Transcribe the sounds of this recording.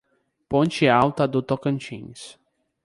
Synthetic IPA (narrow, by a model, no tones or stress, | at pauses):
põnt͡ʃɪawt̪ɐd̪ʊt̪okɐ̃nt͡ʃḭ̃s